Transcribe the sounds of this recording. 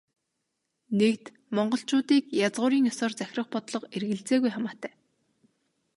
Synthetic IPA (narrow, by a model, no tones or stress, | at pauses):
nekt̪ | mɔɴɢɞ̆ɬt͡ɕʊːt̪iːkjat͡sʁʊːɾiːŋjɔsɔːrt͡sæxʲrə̆χpɔt̪ɮɞ̆qerɣɘ̆ɮt͡seːɣujχamaːt̪ʰæː